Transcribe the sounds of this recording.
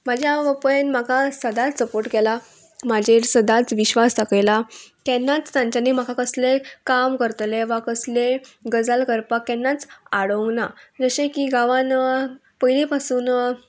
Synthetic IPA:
mad͡ʑʱjaʋəpəenmakasəd̪at͡ssəpoɾʈkɛla | mad͡ʑʱeɾsəd̪at͡sʋiɕʋast̪akjlakɛnːat͡st̪ãɲt͡ɕanim̤akakəslekamkəɾt̪leʋakəsleɡəd͡zalkəɾpakːɛnːat͡saɽoŋɡnad͡zəɕekiːɡaʋan | pəjlipasuːn

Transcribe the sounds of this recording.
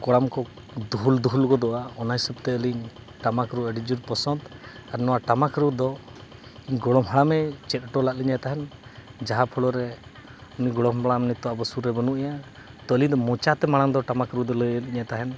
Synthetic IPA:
kɔɽamkɔ | d̪uɦuld̪uɦulkɔd̪ɔʔaɔnajsəp̚t̪ɛəliɲ | ʈamakɾuəɖid͡ʒuɾpɔsɔnd̪aɾnɔwaʈamakɾud̪ɔ | iɲɡɔɽɔmɦaɽamɛt͡ʃɛt̪̚ʈɔlaʔ̚liɲat̪aɦɛnd͡ʒaɦapʰɔɽɔɾɛ | uniɡɔɽɔmbaɽamnit̪ɔabəsuɾɛbənuʔija | t̪ɔlid̪ɔmɔt͡ʃat̪ɛmaɽaŋd̪ɔʈamakɾud̪ɔləjəliɲat̪aɦɛn

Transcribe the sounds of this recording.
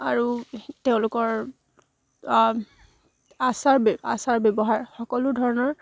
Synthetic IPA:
aɹuteʊ̃lʊkɔɹ | asaɹba̰saɹbebɔɦaɹxɔkɔlʊdʱɔɹɔnɔɹ

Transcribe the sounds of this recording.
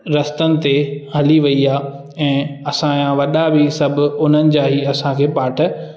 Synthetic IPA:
ɾɐst̪ənɪ̆t̪eɦɐliʋɐiaː | ɛ̃ːɐsãjãʋɐɗabʱɪsɐbʱʊ̆ʊn̤ənɪ̆d͡ʑaːɦiɐsãkʰeːpaːʈʰə

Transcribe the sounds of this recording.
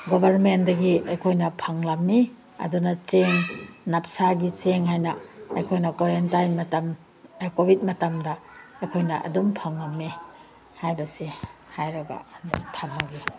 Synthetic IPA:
ɡobʱɐɾmendɐɡiɐjkʰojnɐpʰɐŋlɐmːi | ɐ̰dunɐt͡ʃeŋnɐp̚saɡit͡ʃeŋɦajnɐːjkʰojnɐkwoɾentajnmɐtɐm | ekobʱit̚mɐtɐmdɐːjkʰojnɐʔɐ̰dumpʰaŋlɐmːi | hajbɐsihajɾɐɡɐ̰ntʰamaɡi

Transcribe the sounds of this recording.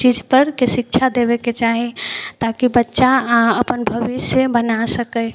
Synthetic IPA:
t͡ʃid͡ʒpəɾkesik̚t͡ʃʰad̪ebɛket͡ʃaɦit̪akibətːʃaəpənbʱəbisjəbənasəkəj

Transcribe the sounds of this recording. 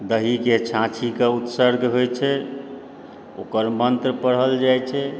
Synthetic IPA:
d̪əɦiket͡ʃʰãt͡ʃʰikeut̪səɾɡʱɦojt͡ʃʰɛ | o̰kəɾmənt̪ɾəpəɽɦəld͡ʒajt͡ʃʰɛ

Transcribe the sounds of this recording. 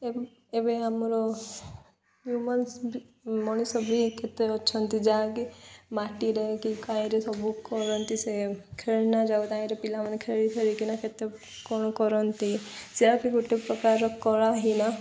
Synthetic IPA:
e | ebeamɾɔ | ɦjuməns | mɔñisɔbʱiket̪eɔtːʃʰɔnt̪id͡ʒakimaʈiɾɛɦekikãĩɾesɔbukɔɾɔnt̪isekʰeɭnad͡ʒaut̪ãĩɾepilamankʰeɾik̪ʰeɾikinaket̪e | kɔɽ̃kɔɾɔnt̪iseakikuʈːepɾɔkaɾɔkɔɾaɦina

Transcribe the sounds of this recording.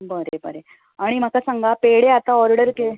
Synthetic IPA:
bəɾebəɾe | aɽ̃im̤akasaŋɡapeɽeat̪aɔɾɽəɾke

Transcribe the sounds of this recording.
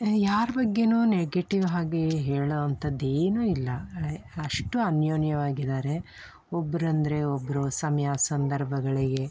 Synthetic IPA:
jaːɾɐbɐɡːe̞nuːneɡeʈiʋɦaːɡeɦeːɭoːɐnt̪ʰɐd̪eːnuːilːɐɐʂʈuɐnjoːnjɐʋaːɡid̪aːɾe̞ | ɔbːɐɾɐnd̪ɐɾe̞obːɐɾosɐmjaːsɐnd̪ɐɾbʱɐɡɐɭiɡe̞

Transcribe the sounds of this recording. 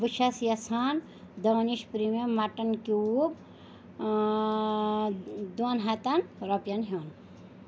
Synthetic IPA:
ʋɨʃʰɐsjɐsʰaːn | d̪ɐʋɐniʃpɾimemaʈɐnkiub | d̪onɦɐt̪ɐnɾɐpjɐnɦon

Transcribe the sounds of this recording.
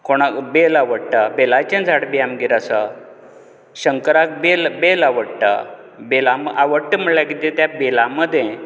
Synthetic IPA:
koɽ̃abelaʋəɽʈ̪abelat͡ɕẽnd͡zʱaɽbiamɡiɾasa | ɕəŋkəɾak̚belbelaʋəɽʈ̪a̰ | belamʔaʋəɽʈəm̤əɭlakit̪et̪jabelaməd̪ʱjẽ

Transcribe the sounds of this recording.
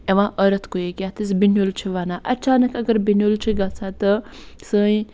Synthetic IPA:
ɐʋãːʔəɾɐt̪ʰkoekʲjaːt̪ʰisbinjolt͡ʃʰiʋaːnaːʔɐt͡ʃʰaːnɐkɐɡəɾbinolt͡ʃʰiɡat͡sʰaːt̪əsəːj

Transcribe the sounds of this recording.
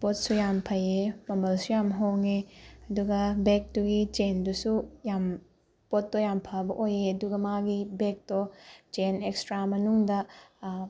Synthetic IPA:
pot̚sujampʰɐjemɐmɐlsujamɦoŋeɐduɡɐbek̚tuɡit͡ʃendusujam | pot̚ːojampʰabɐʔojeɐduɡɐmaɡibek̚tɔt͡ʃenekstɾamɐnuŋdɐ

